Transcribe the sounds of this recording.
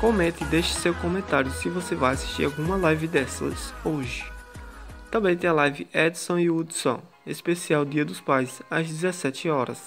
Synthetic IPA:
kõmẽt̪ɪd̪eʃɪsewkõmẽt̪aɾjʊsɪvosevajasi̥ʃt͡ʃḭɾawɡũmɐlajvɪd̪ɛsɐ̰soʒɪ | t̪ɐ̃mbẽj̃t̪ẽj̃ɐlajvɪʔɛd̪sõiud̪sõ̰ | espesiawd̪iɐd̪ʊspajzɐzd̪izesɛt͡ʃɪɔɾɐ̰s

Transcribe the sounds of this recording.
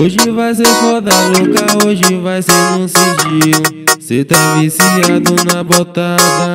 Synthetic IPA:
oʒɪvajseɾfɔd̪ɐlokɐoʒɪvajseɾnũsed͡ʒiʊset̪avisiad̪ʊnɐbot̪ad̪ɐ

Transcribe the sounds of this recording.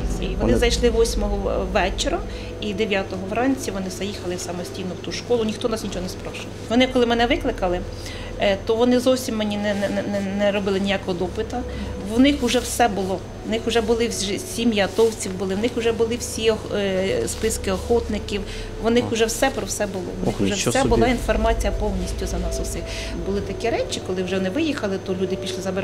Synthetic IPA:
iʋɔnɪzɐjʃlˠɪʋɔsʲmɔɦɔʋɛt͡ʃeɾɐ | id̪eʋʲjat̪ɔɦɔʋɾɑnʲt͡sʲiʋɔnɪzɐjixɐlˠɪwsɑmɔsʲtʲijnʊwt̪uʃkɔlˠʊnʲixt̪ɔnɑsnʲit͡ʃɔɦɔnɛspɾɔʃɪlˠʋɔnɪkɔlˠɪmɛnɛʋɪklˠɪkɐlˠɪ | t̪ɔʋɔnɪzɔwsʲimːenʲinɛnɛɛnɛnɛɾɔbɪlˠɪnʲijakɔɦɔd̪ɔpɪt̪ɐ | ʋnɪxʊʒɛwsɛbʊlˠɔ | ʋnɪxʊʒɛbʊlˠɪwʒsʲimʲjiɐt̪ɔwt͡sʲiwbʊlˠɪwnɪxʊʒɛbʊlˠɪwsʲiɔxspɪskɪɔxɔt̪nɪkʲiw | ʋɔnɪxʊʒɛwsɛpɾɔwsɛbʊlˠɔ̰ʋnnɪʊʒɛsɛbʊlɑinfɔrmɑt͡sʲijɐpɔwnʲisʲtʲʊzɐnɑsɔsɪ | bʊlˠɪt̪ɐkɛɾɛt͡ʃʲɪkɔlˠɪwʒɛʋɔnɪʋɪjixɐlˠɪt̪ɔlʲud̪ɪpʲiʃlˠɪzɐbeɾ

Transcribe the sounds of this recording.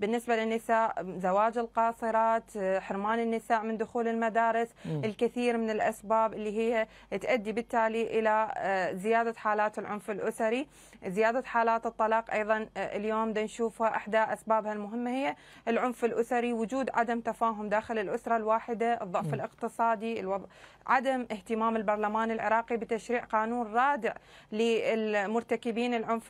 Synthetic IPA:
bɪnːɪsbalɪnːɪsaːʔzawaːd͡ʒɪlqɑːsˤɨɾˤɑːt̪ħɪɾmaːnɪnːɪsaːʔmɪnd̪ʊxuːlɪlmad̪aːɾˤɪsɪlkɪθiːɾmɪnɪlʔasbaːbʔɪlːiːɦɪjːa | ɪt̪ʔad̪ːibɪt̪ːaːliʔɪlazɪjaːd̪aħaːlaːt̪ɪlʕʊnfɪlʔʊsaɾi | zɪjaːd̪aħaːlaːt̪ɨt̪ˤːɑlɑːqʔɑjðˤɑnɪ̰ljoːmd̪anʃuːfhaʔaħd̪aːʔasbaːbhalmʊɦɪmːahɪjːa | ʔɪlʕʊnfɪlʔʊsaɾiwʊd͡ʒuːd̪ʕa̰d̪amt̪afaːɦʊmd̪aːxɪlɪlʔʊsɾˤɑlwaːħɪd̪aʔɨ̰ðˤːʊʕfɪlɪqt̪ɨsˤɑːd̪ilwɑ | ʕad̪amʔɪht̪ɪmaːmɪlbɑɾˤlamaːnɪlʕɪ̰ɾˤɑːqibɪt̪aʃɾiːʕqɑːnuːnɾˤɑːd̪ɪʕlɪɪlmʊɾˤt̪akɪbiːnɪlʕʊnf

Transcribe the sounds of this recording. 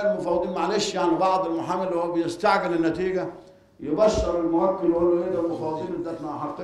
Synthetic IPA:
lmʊfɑːwd̪ˤiːnmaʕleːʃjaʕnibɑʕd̪ˤɪlmʊħaːmːelːhowæbɪjɪst̪aʕɡɪlɪnːæt̪iːɡæ | jɪbæʃːɑɾelmʊhækːelwælːæʔed̪ælmʊfɑːwd̪ˤiːned̪æt̪naʔħɑt̪ː

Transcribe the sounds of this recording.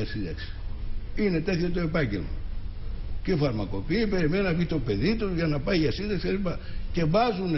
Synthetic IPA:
ɐsid̪ɐ̰ksi̥ine̞t̪e̞θçot̪o̞e̞pɐɲɟe̞̰lmɐ̰ | ceifɐɾmɐko̞piːpe̞ɾime̞ninɐvʝit̪o̞pe̞ðit̪uʝɐnɐpɐiʝɐsind̪ɐksielipɐce̞vɐzun

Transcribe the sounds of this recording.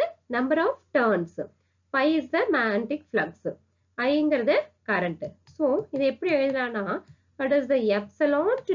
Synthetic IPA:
nɐmbɐɾɔːfʈɐːɾns | pɐɪɪsd̪ɐmaːɳʈɪkflɐɡs | ɐjɪŋɡɐɾɐðɨkɐɾɐɳʈsoːɪðɐɛpːɐɽiɛɻɪðɯlãːnaː | ɐʈɐsd̪ɐɛpsɐlɔ̃ːnʈ

